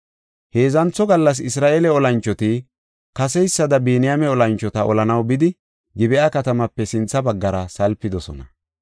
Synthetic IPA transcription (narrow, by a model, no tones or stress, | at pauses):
he̞ːzɐnt͡sːɔɡɐlːɐs̬ɪsɾaːʔeːlɛɔlɐnt͡ʃːɔt̪i | kɐsɛjsːɐd̪ɐbiːnɪjamɛɔlɐnt͡ʃːɔt̪ɐɔlɐnɐwbɪd̪ɪ | ɡɪbɛʔakɐt̪ɐmɐpːɛsɪnt͡sːɐbɐɡːɐɾɐsɐlpːɪd̪ɔsɔ̰nɐ